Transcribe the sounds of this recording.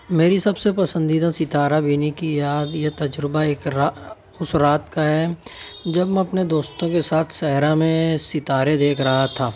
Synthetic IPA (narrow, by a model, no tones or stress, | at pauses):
meːɾisɐbsepɐsə̃nd̪iːd̪asɪt̪aːɾabʱiːnikijaːd̪jet̪ɐd͡ʒɾɪbaeːkɾa | ʊsɾaːt̪kaɦɛːd͡ʒɐbm̃ɐpned̪oːst̪õkesaːt̪ʰsɛɦɾamẽsɪt̪aːɾed̪eːkʰɾɐɦat̪ʰaː